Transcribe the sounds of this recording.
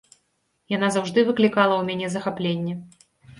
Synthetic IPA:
jan̪azawʐd̪ɨvɨklʲikalˠɐwmʲanʲɛzɐxaplʲenʲːɛ

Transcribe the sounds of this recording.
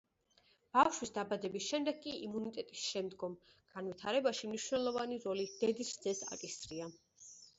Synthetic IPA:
b̥afʃwisd̪abad̪ɛbisʃɛmd̪ɛɡkʼiimunit̪ʼɛt̪ʼisʃɛmd̪ɡɔm | ɡ̥anwit̪ʰaɾɛbaʃimniʃwnɛlˠɔvaniɾɔlid̪̥ɛd̪isd̪zɛsa̰kʼisɾia

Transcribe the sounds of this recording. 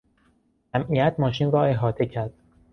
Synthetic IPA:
æmʔijæt̪ʰmɒːʃiːnrɒːe̞ɦɒːt̪ʰe̞cʰæɾd̪̥̚

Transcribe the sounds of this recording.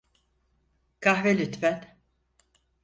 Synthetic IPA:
kʰahvelʲyt̪fæn

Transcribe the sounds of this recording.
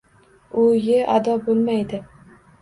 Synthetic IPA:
ʊjeʔad̪ɒbolˠmajd̪ɪ

